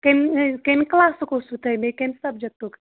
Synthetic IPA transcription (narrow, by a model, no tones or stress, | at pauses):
kenkenklasukosut̪ɐmekensɐb̚d͡ʒɐk̚t̪uk